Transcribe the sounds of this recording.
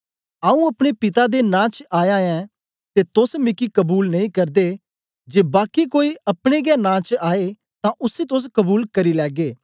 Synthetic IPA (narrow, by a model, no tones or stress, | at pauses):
aːũɐpɽ̃epɪt̪ad̪enãːt͡ʃaːjãːɛ̃ː | t̪et̪ʊsmɪkikəbuːlnɐĩkɐɾd̪e | d͡ʒeːbaːkikoːiɐpɽ̃eɡɛːnãːt͡ʃaːe | t̪ãʔʊsit̪ʊs̬kəbuːlkɐɾilɛːɡeː